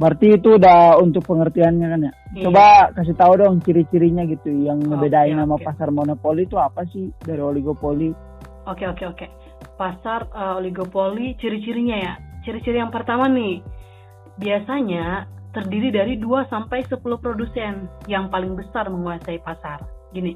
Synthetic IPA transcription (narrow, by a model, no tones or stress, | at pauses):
bərt̪iːt̪udahunt̪ʊk̚pəŋərt̪ianɲakanjat͡ʃobakas̬it̪audɔŋt͡ʃiɾit͡ʃiɾiɲaɡit̪ujaŋməbedainamapasarmonopolit̪uapasɪhdaɾioliɡopoli | okeokeoke | pasarəoliɡopolit͡ʃiɾit͡ʃiɾiɲajat͡ʃiɾit͡ʃiɾijaŋpərt̪amanɪh | biasaɲat̪ərdiɾidaɾiduasampajsəpuluhpɾodusɛnjaŋpalɪŋbəsarməŋuasaipasarɡini